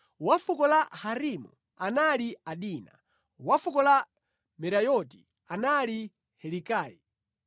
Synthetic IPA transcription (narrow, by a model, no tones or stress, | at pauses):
wafukɔlahaɾimṵ | analiaɗiːna̰ | wafukɔla | mɛɾajɔti | anali | hɛlikaːjḭ